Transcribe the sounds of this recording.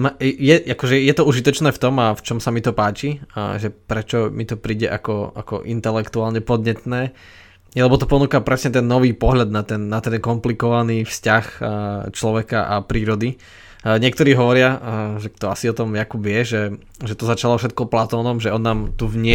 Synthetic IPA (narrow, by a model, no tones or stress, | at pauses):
majɛakɔʒɛjɛt̪ɔuʒit̪ɔt͡ʃnɛːft̪ɔmaft͡ʃɔmsamit̪ɔpaːt͡ʃḭʒɛpɾɛt͡ʃɔmit̪ɔpɾiːɟɛ̰ʔakɔa̰kɔ̰ʔint̪ɛlɛkt̪uaːlɲɛpɔd̪ɲɛt̪nɛː | jɛlɛbɔt̪ɔpɔnuːkapɾɛsɲɛt̪̬ɛnːɔʋiːpɔɦʎad̪̚nat̪ɛnːat̪ɛnkɔmplikɔʋaniːfscaxt͡ʃlɔʋɛkaʔa̰pɾiːɾɔd̪i | ɲɪɛkt̪ɔɾiːɦɔʋɔɾɪaʒɛkt̪ɔasiɔt̪ɔmjakubɪɛʒɛ | ʒɛt̪ɔzat͡ʃalɔfʃɛt̪̚kɔplat̪ɔːnɔmʒɛɔnːaːmt̪uvɲɪɛ